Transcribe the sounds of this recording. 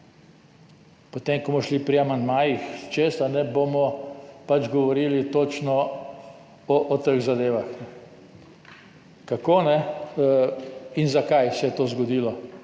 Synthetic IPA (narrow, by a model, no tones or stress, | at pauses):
pot̪emkɔmɔʃlipɾiamand̪maːjixt͡ʃest̪anɛbomɔpad͡ʒɡɔʋɔɾilit̪oːt͡ʃnɔ | ɔʔɔt̪əɣzad̪eːʋaxnɛ | kakonɛ | inzakajsɛjɛt̪oːzɡɔd̪iːlɔ